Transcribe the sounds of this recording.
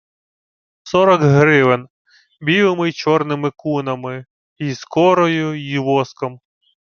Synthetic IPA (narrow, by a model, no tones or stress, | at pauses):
sɔɾɔkɦɾɪʋɪn | bʲiʋɪmɪjt͡ʃɔrnɪmɪkunɐmɪ | iskɔɾɔjʊjiʋɔskɔm